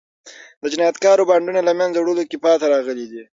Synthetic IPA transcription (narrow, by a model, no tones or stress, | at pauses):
d̪əd͡ʒɪnɑjat̪kɑɾobaɳɖunalamjanzawɽəlokɪpɑt̪aɾɑɣəlid̪i